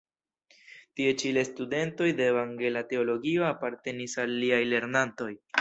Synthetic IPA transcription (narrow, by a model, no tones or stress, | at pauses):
tie̞t͡ʃile̞stude̞nto̞jde̞ːvaŋɡe̞late̞o̞lo̞ɡio̞apaɾte̞nisalːiajle̞ɾnanto̞j